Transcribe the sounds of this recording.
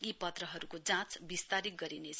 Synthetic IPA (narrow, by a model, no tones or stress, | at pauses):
ipʌt̪rʌɦʌɾukod͡zãt͡sbist̪aɾik̚ɡʌɾinet͡sʰ